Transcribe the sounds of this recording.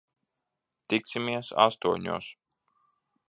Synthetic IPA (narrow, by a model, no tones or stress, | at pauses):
t̪ik̪̚sʲimiɛsa̰st̪uɔɲʲṵːs